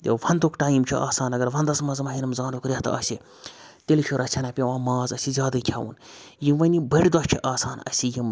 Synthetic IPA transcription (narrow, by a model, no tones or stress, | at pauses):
j̪ɐ̰ʋɐnd̪ukʈaːjimt͡ʃʰuʔaːsaːnɐɡɐɾʋɐnd̪ɐsmɐzmɐɦinɐmzaːnukɾʲaːt̪ɐ̰ːsʲi | t̪elʲkʲʰuɾɐt͡sʲʰɐnapʲeʋãːmaːzɐsʲizʲjaːd̪ɐkʲʰjaːṵnjiʋɐnibɐɽʲid̪ɐt͡ʃʰiʔaːsaːnɐ̰sʲijim